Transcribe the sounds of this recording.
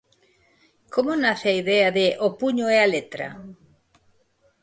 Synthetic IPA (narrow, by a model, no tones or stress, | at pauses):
komonaθeaiðeaðeʔopuɲoɛalet̪ɾa̰